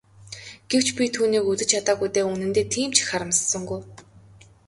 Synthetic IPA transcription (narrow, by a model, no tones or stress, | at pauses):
ɡ̥ew̥t͡ɕpʲit̪ʰuːniːkut͡s̪ɘ̆t͡ɕʰat̪aːɣujt̪eːunɘ̆nt̪eːt̪ʰiːmt͡ɕʰɪ̥xχaɾə̆mssɞ̆ŋɡuj